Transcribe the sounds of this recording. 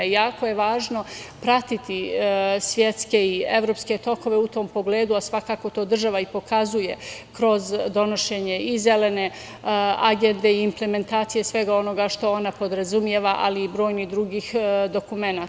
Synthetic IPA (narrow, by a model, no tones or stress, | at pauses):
jaːkoje̞ʋaːʒno̞pɾat̪it̪isʋjet̪ske̞ie̞ʋɾo̞pske̞t̪o̞ko̞ʋe̞ut̪o̞ːmpo̞ɡle̞ːd̪uasʋakaːko̞t̪o̞ːd̪r̩ʒaʋaipo̞kazuje̞kɾo̞zd̪o̞no̞ʃe̞ɲe̞ize̞le̞ne̞ | aɡend̪e̞iːmple̞me̞nt̪aːt̪sije̞sʋe̞ɡao̞no̞ɡaʃt̪o̞o̞napo̞d̪ɾazumje̞ʋaʔaliːbɾo̞ːjnid̪ɾuɡiːxd̪o̞kume̞naː